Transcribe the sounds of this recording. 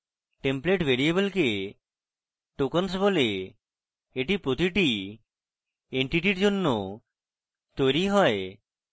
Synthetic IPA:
ʈempleʈbʱeɾiebəlke | ʈokons̬bole | eʈipɾot̪iʈi | eɳʈiʈiɾd͡ʑonːo | t̪ojɾiɦɔe

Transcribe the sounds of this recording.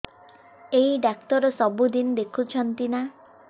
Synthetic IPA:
eɦiɖak̚t̪ɔɾɔsɔbud̪ind̪ekʰut͡ʃʰɔnt̪ina

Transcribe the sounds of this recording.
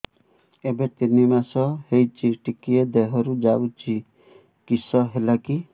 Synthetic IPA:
ebet̪inimasɔhejt͡ʃʰiʈikied̪eɦɔɾud͡ʒawt͡ʃʰi | kisɔɦelaki

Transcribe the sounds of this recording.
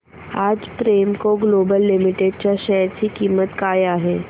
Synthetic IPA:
aːd͡ʒpɾeːmkoɡloːbəlːɪmɪʈeɖ̚t͡ʃaʃɛɾkikiːmːət̪kaːjaɦɛː

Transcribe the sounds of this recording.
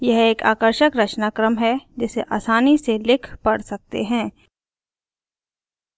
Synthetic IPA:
jɐɦeːka̰ːkəɾʃəkɾɐt͡ʃnaːkɾəmɦɛd͡ʒɪseʔa̰ːsaːniselɪkʰpɐɽsɐk̚t̪ḛɦɛ̃ː

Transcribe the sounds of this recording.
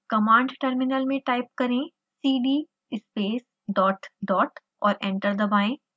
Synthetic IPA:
kɐmãːɳɖʈəɾmɪnəlmẽʈaːɪp̚kɐɾẽ | siːɖiː | ɪspeːs | ɖɔːʈɖɔːʈ | ɔ̰ːɾɛ̃ːɳʈəɾd̪ɐbaːẽ

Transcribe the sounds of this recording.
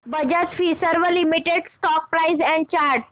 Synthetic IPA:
bəd͡ʑət̪fisəɾʋəlimiʈeɽsʈɔk̚pɾaizɛ̃ɳɖ̚t͡ɕaɾʈ

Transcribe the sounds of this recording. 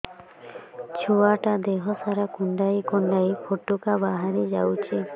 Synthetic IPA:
t͡ʃʰoaʈad̪eɦɔsaɾakuɳɖajkuɳɖajpʰoʈːukabaɦaɾid͡ʒawt͡ʃʰi

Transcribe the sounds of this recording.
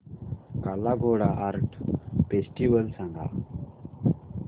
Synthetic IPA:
kalaɡʱoːɽaʔaɾʈpesʈiʋəlsɐŋɡʱa̰

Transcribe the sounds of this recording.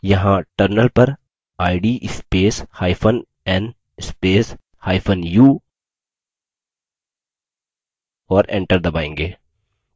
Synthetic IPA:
jɐɦãʈəɾnəlpɐɾ | aːɪɖiːʔɪspeːshaːɪpʰən | ɛn | ɪspeːs | haːɪpʰənjuː | ɔːɾɛ̰̃ɳʈəɾd̪ɐbaːẽːŋɡeː

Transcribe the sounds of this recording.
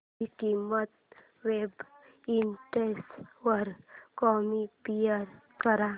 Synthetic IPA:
ikimət̪̚ | ʋeb | inʈesʋəɾkɔmipijəɾkəɾã

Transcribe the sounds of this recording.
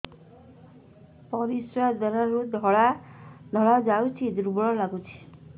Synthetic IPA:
pɔɾisɾad̪ɛɾaɾud̪ʱɔɭad̪ʱɔɭad͡ʒawt͡ʃʰid̪uɾbɔɽɔlaɡut͡ʃʰi̥

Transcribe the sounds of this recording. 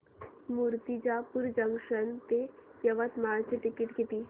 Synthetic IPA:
muɾt̪id͡ʑapuɾd͡ʑəŋkʂənt̪ejəʋət̪maɭt͡ɕiʈikiʈɡit̪iː

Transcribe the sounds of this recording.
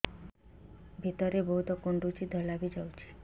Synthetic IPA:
bʱit̪ɔɾebɔɦut̪ɔkoɳɖut͡ʃid̪ʱɔlabid͡ʒawt͡ʃʰi̥

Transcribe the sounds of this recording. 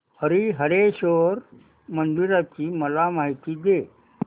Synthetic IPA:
həɾiɦəɾeɕoɾ | mənd̪iɾat͡ɕiːməlamaɦit̪iːɡ̪e

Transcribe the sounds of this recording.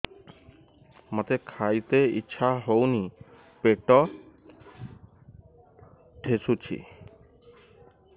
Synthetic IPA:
mat̪ekʰajt̪eḭtːɕʰaɦowni | peʈːɔ | ʈʰesut͡ɕʰḭ

